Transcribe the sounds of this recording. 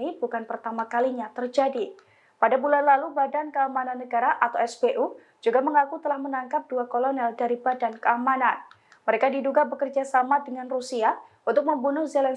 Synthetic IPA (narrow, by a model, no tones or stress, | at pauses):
ibukanpərt̪amakaliɲat̪ərd͡ʒadi | padabulanlalubadankəamananːəɡaɾaʔat̪awɛsbeʔu | d͡ʒuɡaməŋakut̪əlahmənaŋkap̚duakolonɛldaɾibadankəamanan | məɾekadiduɡabəkərd͡ʒasamadəŋanrusia | unt̪ʊk̚məmbunʊhzelɛn